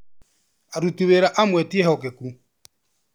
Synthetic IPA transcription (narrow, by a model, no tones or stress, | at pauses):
aɾutiβeɾaʔamwɛtiɛhɔkeku